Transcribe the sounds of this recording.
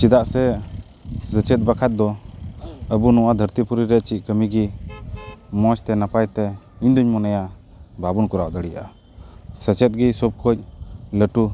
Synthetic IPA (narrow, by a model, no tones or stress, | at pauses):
t͡ʃid̪aʔsɛ | sət͡ʃɛt̪̚bakʰat̪̚d̪ɔ | əbunɔwad̪ʱəɾt̪ipuɾiɾɛʔ̚t͡ʃikəmiɡi | mɔt͡ʃt̪ɛnapajt̪ɛiɲd̪uɲmɔnɛja | babunkɔɾaʔd̪əɽija̰ʔa | sət͡ʃɛt̪̚ɡisɔb̚kʰɔc̚ləʈu